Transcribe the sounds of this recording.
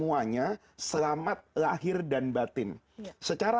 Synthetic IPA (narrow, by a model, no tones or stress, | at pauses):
muaɲa | səlamat̪̚laɦɪrdanbat̪ɪn | sət͡ʃaɾa